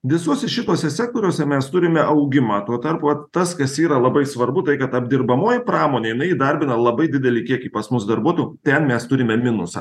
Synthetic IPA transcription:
ʋʲɪsuɔsʲɛʃʲɪt̪oɔsʲɛsʲæːk̚t̪oːɾʲuːsʲɛmʲɛst̪ʊɾʲɪmʲɛʔɐʊɡʲɪmɑːt̪uɔt̪ɐɾpuʋɐt̪t̪ːɐskɐsiːɾɐlˠɐbɐɪsʋɐɾbʊt̪ɐɪkɐt̪ɐbʲd̪ʲɪɾbɐmoːjɪpɾɑːmoːnʲeːjɪnɐɪjiːd̪ɐɾʲbʲɪnɐlˠɐbɐɪd̪ʲɪd̪ʲɛlʲɪkʲiɛkiːpɐsmʊsd̪ɐɾbuɔt̪ojuːt̪ʲɛnmʲɛst̪ʊɾʲɪmʲɛmʲɪnʊsɑ̰ː

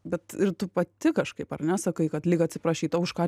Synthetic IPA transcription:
bʲɛt̪ɪɾt̪ʊpɐt̪ʲɪkɐʃkɐɪpɐrnʲɛsɐkɐɪkɐt̪lʲiːkɐtʲsʲɪpɾɐʃʲiːt̪ɐʊʊʃkɑː

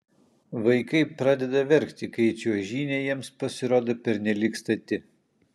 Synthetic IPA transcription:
ʋɐɪkɐɪpɾɑːd̪ʲɛd̪ɐʋʲɛɾʲkt̪ʲɪkɐɪt͡ʃʲuɔʒʲiːnʲejiɛmspɐsʲɪɾoːd̪oːpʲɛɾʲnʲɛlʲiːkst̪ɐt̪ʲɪ

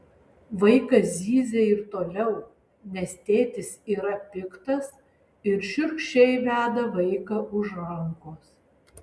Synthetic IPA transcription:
ʋɐɪkɐzʲiːzʲeɪɾt̪oːlʲɛʊ | nʲɛst̪ʲeːt̪ʲɪsiːɾɐpʲɪkt̪ɐs | ɪɾʃʲʊɾkʃʲɛɪʋʲæːd̪ɐʋɐɪkɐʊʒɾɐŋkoːs

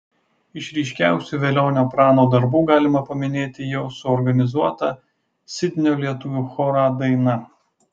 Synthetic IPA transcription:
ɪʃɾʲɛɪʃʲkʲæˑʊsʲuːˑʋʲeːlʲoːnʲoːpɾɑːnoːd̪ɐɾbuːɡɑːlʲɪmɐpɐmʲɪnʲeːt̪ʲɪjɛʊsʊɔɾɡɐnʲɪzuɔt̪ɑ | sʲɪt̪ʲnʲoːlʲiɛt̪ʊʋʲuːxɔɾɑd̪ɐɪnɐ

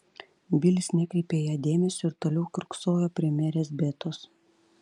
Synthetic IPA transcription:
bʲɪlʲɪsnʲɛkʲɾʲɛɪpʲeːjæːd̪ʲeːmʲɛsʲʊɪɾt̪oːlʲɛʊkɾʊksoːjoːpʲɾʲɛmʲɛɾʲeːsbʲeːt̪os

